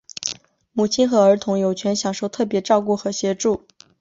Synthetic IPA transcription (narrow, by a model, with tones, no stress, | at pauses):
mu˨˩t͡ɕʰi˥nxɤ˧˥ə˞˧˥t̪ʰʊ˧˥ŋjo˨˩ʊt͡ɕʰɥɛ˧˥nɕjɑ˨˩ŋʂo˥˧ʊt̪ʰɤ˥˩pjɛ˧˥ʈ͡ʂɑ˥˧ʊk̬u˥˩xɤ˧˥ɕjɛ˧˥ʈ͡ʂu˥˩